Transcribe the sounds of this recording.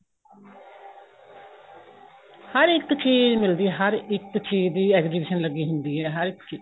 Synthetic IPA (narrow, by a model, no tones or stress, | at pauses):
həɾɪk̚t̪t͡ʃiːzmɪld̪iːɦəɾɪk̪̚t͡ʃiːd̪iːɛːkziːbɪʃənləɡiːɦʊ̃nd̪iːɦɛːɦəɾɪkt͡ʃiː